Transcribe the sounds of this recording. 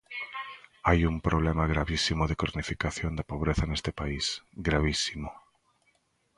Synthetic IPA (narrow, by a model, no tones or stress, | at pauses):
ajumpɾoβlemaɣɾaβisimoðekoɾnifikaθjond̪apoβ̞ɾeθanest̪epaisɡɾaβisimo